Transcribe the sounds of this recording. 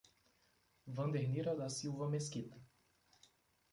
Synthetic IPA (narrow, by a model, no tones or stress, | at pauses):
vɐ̃nd̪eɾniɾɐd̪ɐsiwvɐmeskit̪ɐ